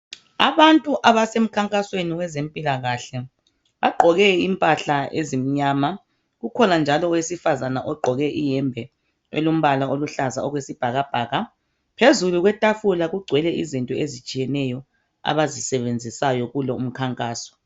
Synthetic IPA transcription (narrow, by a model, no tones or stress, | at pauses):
a̰βantʼuʔaβasem̩kʰaŋkʼasweniɣwɛzempʼilaɣaɬɛ | βaɡ͡ǃʱɔɣɛimpʼaɬaʔezim̩ɲaːma | ɣukʰɔnand͡ʒʱalɔwesifazanaʔɔɡ͡ǃʱɔɣɛʔijɛmbʱɛ | ḛlum̩βalaoluɬaza̰ɔɣwesib̥ʱaɣab̥ʱaːɣa | pʰezuluɣwɛtʼafulaɣuɡ͡ǃʱwɛlɛʔizintʼɔezit͡ʃʼijɛnɛjɔ | a̰βazisɛβend͡zʱisajɔɣulɔum̩kʰaŋkʼaːsɔ̥